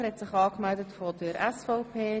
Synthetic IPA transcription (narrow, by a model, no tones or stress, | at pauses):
ɛtsɪχɑːkmældətfɔdəɾɛsfɔʊpʰeː